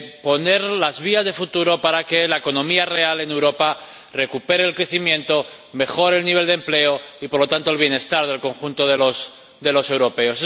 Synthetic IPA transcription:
po̞ne̞ɾlazβiazðe̞fut̪uɾo̞paɾake̞laeko̞nõ̞miare̞ale̞ne̞wɾo̞pa | re̞kupe̞ɾeːlkɾe̞θimjẽ̞nt̪o̞ | me̞xo̞ɾelniβe̞ld̪e̞mple̞oipo̞ɾlo̞t̪ant̪o̞elβ̞je̞ne̞st̪aɾð̞e̞lko̞ŋxunt̪o̞ðelo̞s | ðe̞lo̞se̞wɾo̞pe̞o̞se

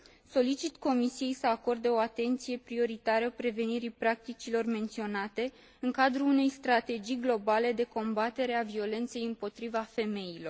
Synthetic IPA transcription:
so̞lit͡ʃit̪ko̞misije̞jsəako̞rd̪eo̞at̪e̞nt̪sije̞pɾio̞ɾit̪aɾəpɾe̞ve̞niɾipɾak̚t̪it͡ʃilo̞rme̞nt̪sio̞nat̪e̞ | ɨŋkad̪ɾuːne̞jst̪ɾat̪e̞d͡ʒijɡlo̞bale̞d̪e̞ko̞mbat̪e̞ɾe̞avio̞le̞nt̪se̞jɨmpo̞t̪ɾivafe̞me̞jilo̞r

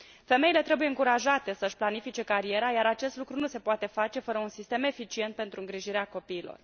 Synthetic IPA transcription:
fe̞me̞ile̞t̪ɾe̞buje̞ɨŋkuɾaʒat̪e̞səɨʃʲplanifit͡ʃe̞kaɾie̞ɾajaɾat͡ʃe̞st̪lukɾunuse̞poat̪e̞fat͡ʃe̞fəɾəunsist̪e̞me̞fit͡ʃie̞nt̪̚pe̞nt̪ɾuɨŋɡɾiʒiɾeako̞piːlo̞̰r

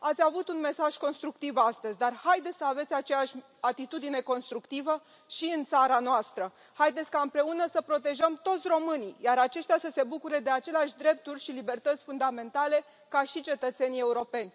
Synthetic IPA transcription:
at̪sʲavut̪unme̞saʒ̥ko̞nst̪ɾuk̚t̪ivast̪əzʲd̪arhajd̪et̪ʲsəave̞t̪sʲat͡ʃe̞jaʃʲ | at̪it̪ud̪ine̞ko̞nst̪ɾukt̪ivə | ʃiɨnt̪saɾanoast̪ɾə | hajd̪esʲkaɨmpɾe̞unəsəpɾo̞t̪e̞ʒəmt̪o̞t̪sʲro̞mɨnijaɾat͡ʃe̞ʃt̪ʲasəse̞bukuɾe̞d̪e̞at͡ʃe̞leaʃʲd̪ɾe̞p̚t̪urʲʃilibe̞rt̪ət̪sʲfund̪ame̞nt̪ale̞ | kaʃit͡ʃe̞t̪ət̪se̞nie̞uɾo̞pe̞nʲ

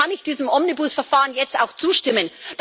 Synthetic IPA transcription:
anɪçd̥iːzəmʔɔmnibʊsfɛɐfaːʁənjɛt͡staʊxt͡suːʃtɪmənd̥

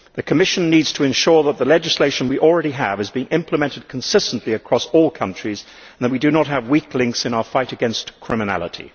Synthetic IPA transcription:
ðɨkʰəmɪʃɨ̃nːidz̥tʰəɨ̃nʃɔɹðət̪̚ðəlɛd͡ʒɨsleɪʃɨ̃n̩wiʔl̩ˠɹɛɾiəvɨzbiɪ̃ŋʔɪ̃mpləmɛ̃ntɨd̚kʰn̩sɪstn̩ʔliɨkʰɹ̥ɔsɔlˠkʰʌ̃nt͡ʃɹ̥iz | n̩ðət̚widɨnət̚ɦəvwikʰlɪ̃ŋksɨ̃naʊəfaɪɾɨɡɛ̃nstkʰɹ̥ɪmɨnæ̰lˠə̰ɾʰḭ

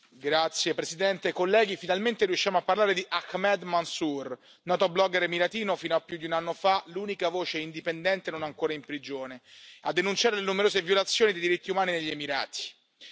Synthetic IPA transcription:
ɡɾat̪sːjepɾeszid̪ɛnt̪ekolːɛːɡ̟ifinalment̪eɾijuʃːjaːmoapːarlaːɾed̪iʔakmɛd̪mansur | nɔːt̪oblɔɡeɾmiɾat̪iːnofiːnoapːjud̪iunanːofalunikavoːt͡ʃeind̪ipend̪ɛnt̪enonaŋkoːɾaimpɾid͡ʒoːnead̪ːenunt͡ʃaːɾelenumeɾoːzevjolat̪sːjoːnid̪ejd̪iɾit̪ːiumaːnineʎːemiɾa̰ːt̪i̥

